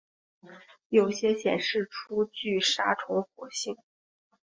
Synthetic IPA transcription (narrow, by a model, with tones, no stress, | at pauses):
jo˨˩ʊɕjɛ˥ɕjɛ̰˨˩nʂɻ̩˥˩ʈ͡ʂʰu˥t͡ɕy˥˩ʂa˥ʈ͡ʂʰʊ˧˥ŋxwɔ˧˥ɕi˥˩ŋ